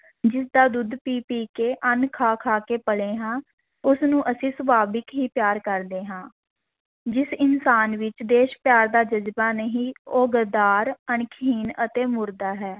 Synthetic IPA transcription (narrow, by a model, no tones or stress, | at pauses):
d͡ʒɪsd̪aːd̪ʊd̪piːpiːkeːʔənkʰaːkʰaːkeːpəɽeːɦãː | ʊsnũːʔəsĩːsəbaːbɪkɦiːpɪjaːɾkəɾd̪eːɦãː | d͡ʒɪsɪnsaːnʋɪt͡ʃd̪eːʃpjaːɾd̪aːd͡ʒəzbaːnəɦĩːoːɡəd̪aːɾənkʰiːnət̪eːmʊɾd̪aːɦɛː